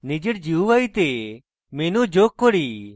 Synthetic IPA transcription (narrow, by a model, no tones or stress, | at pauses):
nɪd͡ʒəɽd͡ʒiuʋait̪e | meːnũd͡ʒoːk̚ːɔɽiː